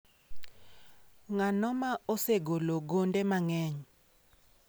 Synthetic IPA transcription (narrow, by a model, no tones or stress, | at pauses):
ŋanɔmaoseɡoloɡondemaŋɛɲ